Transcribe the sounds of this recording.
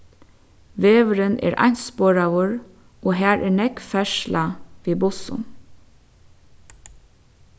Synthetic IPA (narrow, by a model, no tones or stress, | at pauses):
ʋeːʋəɾənʔḛːɾʔɑ̰nt̪spoːɾɑʋʊɹ | oːhæːɹʔeːɳɛkfɛʃlɑʋiːbʊsʊ̰